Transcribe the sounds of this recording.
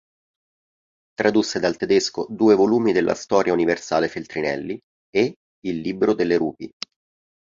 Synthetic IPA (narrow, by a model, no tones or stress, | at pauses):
t̪ɾad̪usːed̪alt̪ed̪eskod̪uːevoluːmid̪elːʔa̰st̪ɔːɾjauniversa̰ːlefelt̪ɾinɛ̰lːi | e | ilːibɾod̪elːeɾuːpi